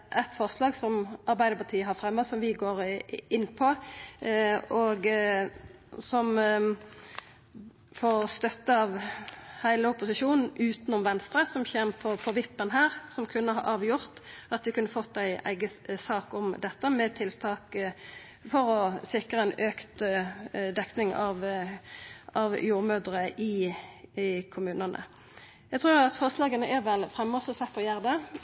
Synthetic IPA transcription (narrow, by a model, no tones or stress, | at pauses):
ʔɛt̪fɔʁslɑːɡsɔmɑɾbæɪd̪əpɑt̪ʰiːəɦɑʁfɾɛmːəsɔmʋɪɡoːʁɪnːpʰɔ | oɡ | sɔm | foːʁst̪œt̪ːəɑʋhæɪləʊpʊsɪʃuːnn̩ʉːt̪nʊmʋɛnst̪ɾəsɔmçeːmpʰɔpʰɔʋɪpːənɦæːʁsɔmkʰʉnːəɦɑ̰ʁɑːʋjʊʁt̪ɑt̪ʋ̪ɪkʰʉnːəfɔt̪ːæɪæ̰ɪɡəsɑːkɔmd̪ɛt̪ːəmɛt̪ʰɪlt̪ʰɑːk | fɔɾɔsɪkʁəɛnøːkt̪ | d̪ɛknɪŋɑʋ | ɑʋjuːʁmøːd̪ʁəʔɪ | kʰʊmʉːnənə̰ | jæɪt̪ʰʁʉːʁɑt̪fɔʁslɑːɡənəʔæɾʋɛlfʁɛmːɔsɔsɛpʰɔjæʁd̪ə